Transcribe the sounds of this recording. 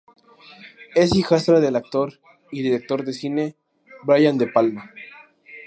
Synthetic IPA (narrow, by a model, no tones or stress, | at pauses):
esixast̪ɾaðelak̚t̪oɾ | iðiɾe̞k̚t̪o̞ɾðesine | bɾajand̪e̞palma